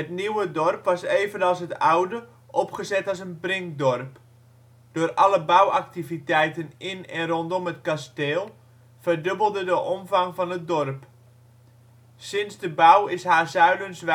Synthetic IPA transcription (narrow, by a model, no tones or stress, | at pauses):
ətniwədɔrpʋɑseːvənɑlˠsɦətawdə | ʔɔpχəzɛtɑlˠsənbrɪŋk̚dɔrp | d̥oːrʔɑləbawak̚tivitɛjtənʔɪnɛnrɔntɔmətkasteːlˠ | v̥ərdøbəlˠdədəʔɔmvɑŋvɑnət̚dɔrp | sɪnsdəbawɪsɦaːzœɥdənsʋ